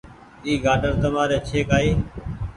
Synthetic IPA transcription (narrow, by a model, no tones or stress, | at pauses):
iːɡaːɖəɾt̪əmaːɾeːt͡ʃʰeːkaːiː